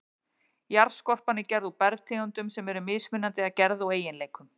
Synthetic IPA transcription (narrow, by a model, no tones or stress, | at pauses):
jaɾ̥skɔr̥panɪcɛɾðupɛɾðt̪ʰɪːɣant̪ʏmsɛmɛɾʏmɪðsmɪnːant̪ɪaðcɛɾðaaweːjɪnleːjkʏm